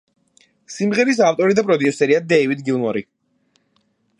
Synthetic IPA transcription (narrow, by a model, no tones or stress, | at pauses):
simʁɛɾis̬aft̪ʼɔɾid̪apʼɾɔd̪iusɛɾiad̪ɛivid̪ɡilnɔɾi